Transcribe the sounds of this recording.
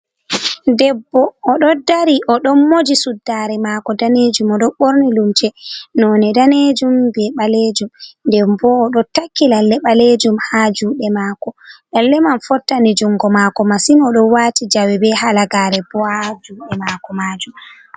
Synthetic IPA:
dɛbːɔːɗɔdaɾiʔɔɗɔmːod͡ʒisudːaɾɛmaːkɔdaned͡ʒumɔɗɔɓoɾnilumt͡ʃɛnɔnɛdaned͡ʒumbɛɓaled͡ʒumndɛmbɔːɗɔtakːilalːɛɓaled͡ʒumhad͡ʒuːɗɛmakɔʔɛlːɛmanfɔtːanid͡ʒuŋɡɔmakɔmasinɔɗɔwaːtid͡ʒawɛbɛhalaɡaːɾɛbɔad͡ʒuːɗɛmakɔmaːd͡ʒum

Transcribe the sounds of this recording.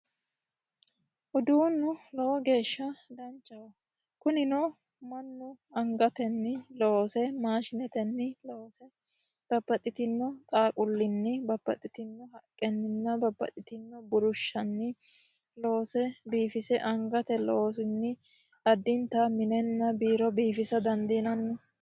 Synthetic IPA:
ʔʊd̪uːnːʊlɔwɔɡe̞ːʃːɐd̪ɐnt͡ʃʼːɐwɐ | kʊnɪnɔ | mɐnːʊɐŋɡɐt̪ɛnːɪlosɛmaːʃɪnɛt̪ɛnːɪloːsɛ | b̥ɐbːɐt̪ʼːɪt̪ɪnːɔt̪ʼaːkʼʊlːɪnːɪbɐbːɐ̰t̪ʼːɪt̪ɪnːɔɦɐkʼːɛnːɪnːɐbɐbːɐ̰t̪ʼɪt̪ɪnːɔbʊɾʊʃːɐnːɪ | loːsɛbiːfɪsɛʔɐŋɡɐt̪ɛlɔ̰oːsʊnːɪ | ɐd̪ːɪnt̪ɐmɪnɛnːɐbiːɾɔbiːfɪsɐd̪ɐnd̪inɐnːɔ

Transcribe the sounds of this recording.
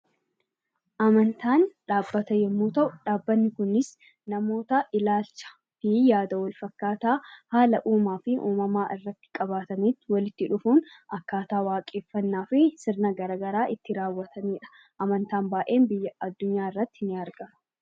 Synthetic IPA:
ʔɐmɐnt̪aːnᶑaːbːɐt̪ɐjɛmːuːt̪ɐʔʊᶑaːbːɐnːɪkʊnɪs | nɐmo̞ːt̪ɐʔɪlaːlt͡ʃːɐ̥ | fijaːd̪ɐwɐlfɐkːaːt̪aːhaːlɐʔuːmaːfɪʔuːmɐmaːʔɪrːɐt̪ːɪ̥kʼɐβaːt̪ɐniːt̪ːɪwɐlɪt̪ːɪᶑʊfuːnɐkːaːt̪aːwaːkʼe̞ːfːɐnːaːfɪsɪɾnɐɡɐɾɐɡɐɾaːʔɪt̪ːɪɾaːwːɐt̪ʰɐniːᶑɐ̥ | ʔɐmɐnt̪aːnbaːʔe̞ːnbɪjːɐɐd̪ːʊɲːaːɪrːɐt̪ːɪnɪɐɾɡɐmɐ̥

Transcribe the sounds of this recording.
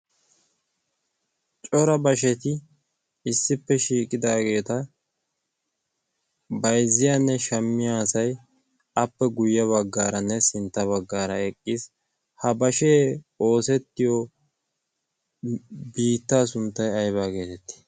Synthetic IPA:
t͡ʃʼɔɾɐbɐʃɛt̪ɪ | ɪsːɪpːɛʃiːkʼɪd̪aːɡe̞ːt̪ɐ | bɐjzːɪjaːnːɛʃɐmːɪjasɐj | ɐpːɛɡʊjːɐβɐɡːaːɾɐnːɛsɪnt̪ːɐβɐɡːaːɾɐɛkʼːɪs | hɐbɐʃeːo̞ːsɛt̪ːɪjɔ | biːt̪ːaːs̬ʊnt̪ːɐjɐjβaːɡe̞ːt̪ɛt̪ːɪ̥

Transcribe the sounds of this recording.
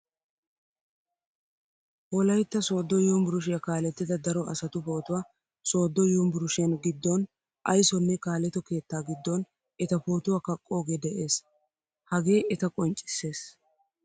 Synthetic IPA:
bɔlɐjt̪ːɐso̞ːd̪ːɔjɔmbʊɾʊʃ̬ɪjɐkaːlɛt̪ːɪd̪ɐd̪ɐɾɔʔɐsɐt̪ʊpo̞ːt̪ʊwaː | so̞ːd̪ːɔjombʊɾʊʃɪjɐnɡɪd̪ːɔn | ʔɐjsɔnːɛkaːlɛt̪ɔke̞ːt̪ːaːɡɪd̪ːɔn | ɛt̪ɐpo̞ːt̪ʊwaːkɐkʼːo̞ːɡeːd̪ɛʔe̞ːs | hɐɡe̞ːɛt̪ɐkʼɔnt͡ʃʼːɪ̥sːe̞ːs

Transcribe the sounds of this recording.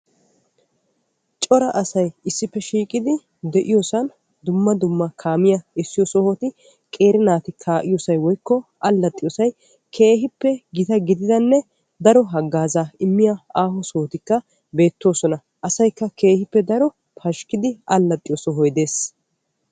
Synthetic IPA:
t͡ʃʼɔɾɐʔɐsɐjɪsːɪpːɛʃiːkʼɪd̪ɪ | d̪ɛʔɪjoːsɐn | d̪ʊmːɐd̪ʊmːɐkʰaːmɪjɐɪsːɪjɔsɔhɔt̪ɪ | kʼe̞ːɾɪnaːt̪ɪkʰaːʔɪjoːsɐjwɔjkːɔʔɐlːɐt̪ʼːɪjoːsɐj | kʰe̞ːɦɪpːɛɡɪt̪ɐɡɪd̪ɪd̪ɐnːɛ | d̪ɐɾɔɦɐɡːaːzaːɪmːɪjɐaːɦɔsɔhɔt̪ɪkːɐ | be̞ːt̪ːo̞ːsɔnɐ | ʔɐsɐjkːɐke̞ːhɪpːɛd̪ɐɾɔ | pʰɐʃkɪd̪ɪʔɐlːɐt̪ʼːɪjoːsɔɦɔjd̪e̞ːs

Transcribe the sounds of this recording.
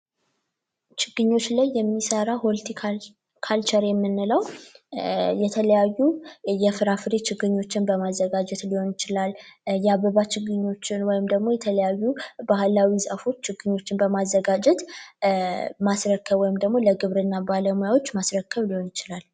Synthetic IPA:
t͡ʃɪɡ̥ːɨɲːo̞t͡ʃːlajːɛmːisəɾaholt̪ʰikʰa | kʰalt͡ʃʰəɾjɛmːɨnːɨləw | jɛt̪ʰələjajːujɛfɨɾafɨɾet͡ʃɪɡɨɲːo̞t͡ʃːɪnbəmazːəɡad͡ʒɛt̪liho̞njɪt͡ʃɪlaljɛaβəβat͡ʃɪɡɨɲːo̞t͡ʃːɪnwɔjɪmd̪əɡmo̞jɛt̪ʰələjajːubahlawisʼafo̞t͡ʃːt͡ʃːɪɡɨɲːo̞t͡ʃːɪnbəmazːəɡad͡ʒɛt̪ | masɾəkʰːəβwɔjɪmd̪əɡmo̞ləɡɨβɾɨnːabaləmujawo̞t͡ʃːmasɾəkʰːəβliho̞njɪt͡ʃɪlal

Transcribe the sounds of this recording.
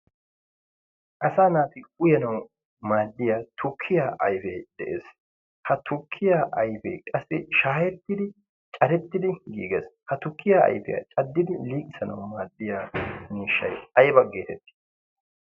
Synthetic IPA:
ʔɐsaːnaːt̪ɪɡʊjɐnɐw | maːd̪ːɪjaːt̪ʰʊkʰːɪjaːʔɐjfeːd̪ɛʔḛːs | hɐt̪ʰʊkʰːɪjaːʔɐjfḛːkʼɐsːɪʃaːjɛt̪ːɪd̪ɪ | t͡ʃʼɐɾɛt̪ːɪd̪ɪɡḭːɡɛshɐt̪ʊkʰːɪjaːʔɐ̰jfɛjɐ̰t͡ʃʼɐd̪ːɪd̪ɪliːkʼɪsɐnɐ̰wmaːd̪ːɪjaːmiːʃːɐ̰jɐjbɐɡeːt̪ɛt̪ːɪ̥

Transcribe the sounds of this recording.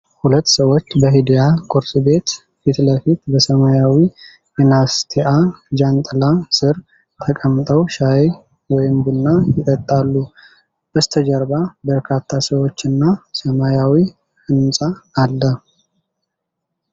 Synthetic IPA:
hulət̪ːsəwo̞t͡ʃːbəɦid̪ijakʼuɾsʼbe̞t̪ | fit̪ləfit̪bəsəmajawi | jɛnast̪ʰeʔad͡ʒant̪ʼlasɨɾ | t̪ʰəkʼəmːt̪ʼəwʃaj | wɔjɪmbɨnːajɪt̪ʼət̪ʼːalːu | bəst̪ʰəd͡ʒəɾbabəɾkʰat̪ʰːasəwo̞t͡ʃːɨnːasəmajawi | hɨnsʼaːlːə

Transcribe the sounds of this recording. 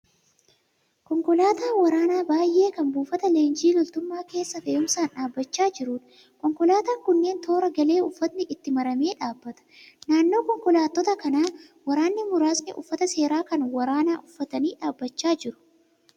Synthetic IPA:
kɔŋkɔlaːt̪aːwɐɾaːnaːbaːjʔe̞ːkɐmbuːfɐt̪ɐle̞ːnd͡ʒiːlɔlt̪ʊmːaːke̞ːsːɐfeːʔʊmsaːnᶑaːbːɐt͡ʃːaːd͡ʒɪɾuːᶑ | kɔŋkɔlaːt̪aːŋkʊnːe̞ːnt̪o̞ːɾɐɡɐle̞ːʊfːɐt̪nɪʔɪt̪ːɪmɐɾɐme̞ːᶑaːbːɐt̪ɐ̥naːnːo̞ːkɔŋkɔlaːt̪ːɔt̪ɐkɐnaːwɐɾaːnːɪmʊɾaːsnɪʔʊfːɐt̪ɐse̞ːɾaːkɐnwɐɾaːnaːʔʊfːɐt̪ɐniːᶑaːbːɐt͡ʃːaːd͡ʒɪɾʊ̥

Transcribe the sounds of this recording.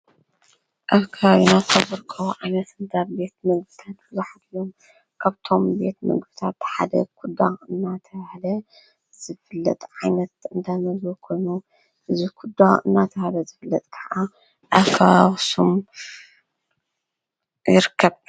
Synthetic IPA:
ʔaβkʰawinaxʰɐβɨɾkʰɐwʕajnɐt̪ɨnd̪atbe̞t̪̚mɨɡ̚bɨt̪ʰat̪̚b̥ɨzuħad̪lom | kʰaβt̪ʰo̞mbe̞t̪mɐ̰ɡbɨt̪ʰat̪ħad̪ɐ̰kʰud̪ːaɨnːat̪ʰɐβahlɐ | z̥ɨfɨlːɐ̰t̪ʼʕajnɐt̪ɨnd̪amɐzukʰo̞jnu | ʔɨzikʰud̪ːaɨnːat̪ʰɐβalɐzɨfɨlːɐt̪ʼkʰɐʕa | ʔɐkʰawawsom | jɪɾɨkʰːɐβ

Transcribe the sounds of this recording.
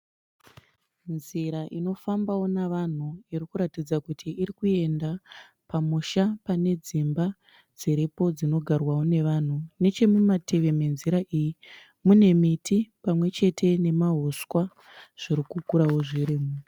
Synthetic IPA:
nziɾaʔino̞fambawo̞naʋan̤uiɾikuɾatid͡zakutʰiʔːɾikue̞nda | pamuʃapane̞d͡zimba | d͡ziɾipo̞d͡zino̞ɡʱarwawone̞ʋan̤une̞t͡ʃe̞mumatʰe̞ʋe̞me̞nziɾaʔiji | mune̞mitʰipamwe̞t͡ʃe̞tʰe̞ne̞maɦoskwa | ʐ̥iɾikukuɾawoʐiɾiːmu

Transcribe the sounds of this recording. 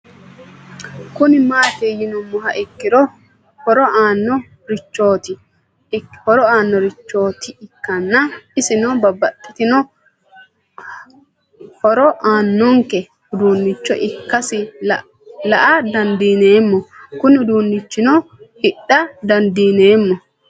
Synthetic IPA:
kʊnɪmaːt̪ejɪnɔmːɔɦɐʔɪkːɪɾɔ | hɔɾɔʔaːnːɔ | ɾɪt͡ʃːoːt̪ɪ | hɔɾɔaːnːɔɾɪt͡ʃːo̞ːt̪ɪɪkːɐnːɐɪsɪnobɐbːɐt̪ʼːɪt̪ɪnɔ | hɔɾɔʔaːnːɔŋkɛ | hʊd̪uːnːɪt͡ʃːɔ̰ʔɪkːɐsɪ | lɐʔɐd̪ɐnd̪iːneːmːɔkʊnɪʊd̪uːnːɪt͡ʃːɪnɔ | hɪɗːɐd̪ɐnd̪iːneːmːɔ

